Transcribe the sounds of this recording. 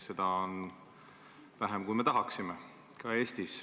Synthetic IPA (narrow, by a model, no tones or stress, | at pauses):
se̞d̪̥ɑon | væɦemkujme̞t̪ɑɦɑksime | kɑe̞ːst̪is